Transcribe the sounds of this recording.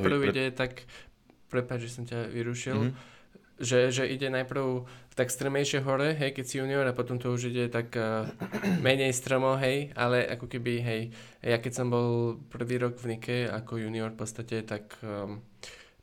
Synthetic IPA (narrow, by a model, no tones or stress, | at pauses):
pɾʊiɟɛt̪ak | pɾɛpad͡ʒʒɛsɔmcaʋiɾuʃil | ʒɛʒɛʔiɟɛnajpɾ̩ʊt̪ɛkst̪ɾəmɛjʃɪɛɦɔɾɛɦɛjkɛcsijuːniɔɾapɔt̪ɔmt̪ɔuʒiɟɛt̪akː | mɛɲɛjst̪ɾɔmɔɦɛja̰lɛʔa̰kɔkɛbiɦɛjjakɛcsɔmbɔlpr̩ʋiːɾɔɡvnikʰɛa̰kɔjuːniɔɾfpɔt̪st̪acɛt̪akː